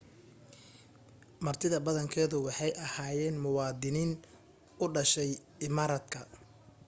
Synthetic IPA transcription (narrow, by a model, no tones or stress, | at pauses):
mɐrt̪ʰɪðɐbɐðɐŋkʰɛːðʊwɑħɑjʔɐhaːjɛːnmʊwɑːd̪ɪniːn | ʊɖɐʃɛj | ɪmaːɾɐd̪kʰɐ